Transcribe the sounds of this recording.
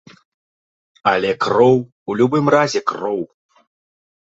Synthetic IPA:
ɐlʲɛkrɔw | ulʲubɨmrazʲɛkrɔw

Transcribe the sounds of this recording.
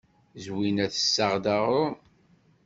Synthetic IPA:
zwinæθə̥sːəʁd̪aʁʊ

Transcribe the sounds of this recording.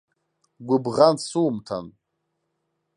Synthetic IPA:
ɡʷʊbʁansuːmtʰa̰n

